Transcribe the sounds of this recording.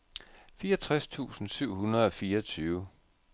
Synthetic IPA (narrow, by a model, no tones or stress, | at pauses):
fiːɐɒt͡sʰʁast͡sʰṵːsn̩syʊ̰hunɐð̞̩ˠɒ̽fiːɐɒt͡sʰyːʊə